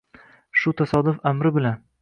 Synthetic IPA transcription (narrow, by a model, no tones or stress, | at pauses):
ʃʊt̪ʰasɒd̪ʊfamɾɪbɪlan